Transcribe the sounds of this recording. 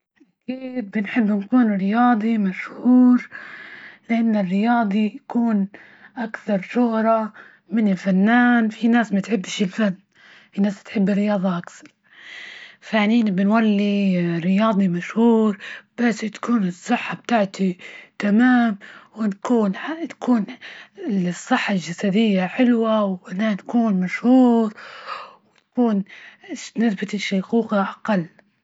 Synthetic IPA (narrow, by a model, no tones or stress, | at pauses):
ʔʔaakiːd̪̚bɪnħɪbːnkuːnɾɪjɑːd̪ˤimaʃhuːɾ | lɪʔanːɪrːɪjɑːd̪ˤijakuːn | ʔakθɑɾˤʃʊhɾˤɑ | mɪnɪlfanːaːnfinaːsmat̪ħɪbːʃɪlfanː | finaːst̪ħɪbːɪrːɪjɑːd̪ˤɑʔakθɑɾˤ | faniːnbɪnwalːirːɪjɑːd̪ˤimaʃhuːɾb̥asːt̪ḁkuːnɨsˤːɨħːab̚t̪aːʕt̪it̪amaːmwɪnakuːnħat̪ḁkuːnɪlsˤːɨħːalʒasad̪ɪjːaħɪlwawʔɪnankuːnmaʃhuːɾwt̪ḁkuːn | nɪθbɪt̪ɪʃːajquːqaʔaqɑlː